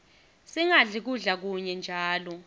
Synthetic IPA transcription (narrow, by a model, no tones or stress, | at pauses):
siŋaɮik̬uɮak̬uɲɛnd͡ʒʱaːlɔ